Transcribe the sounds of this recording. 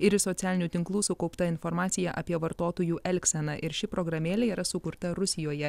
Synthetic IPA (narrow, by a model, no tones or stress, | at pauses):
ɪɾɪsɔt̪sʲæːlʲɪnʲuːt̪ʲɪŋklˠuːsʊkɒʊpt̪ɐɪnfɔɾmɑːt̪sʲɪjɛʔɐ̰pʲiɛʋɐɾt̪oːt̪oːjuːʔɛlʲksʲɛnɐʔɪɾʃʲɪpɾɔɡɾɐmʲeːlʲɛiːɾɐsʊkʊɾt̪ɐɾʊsʲɪjoːjɛ